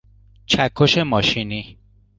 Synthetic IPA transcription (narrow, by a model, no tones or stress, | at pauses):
t͡ʃʰækʰːoʃemɒːʃini